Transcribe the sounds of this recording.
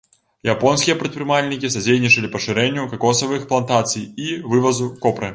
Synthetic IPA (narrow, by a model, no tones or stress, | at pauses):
japɔnsʲkʲijɐpɾʲɨt̪̚pɾɨmalʲnʲikʲisɐd͡zʲejnʲit͡ʂɐlʲɪpɐʂɨɾɛnʲːjukɐkɔsɐvɨxplˠɐnt̪at̪sɨjivɨvɐzukɔpɾɨ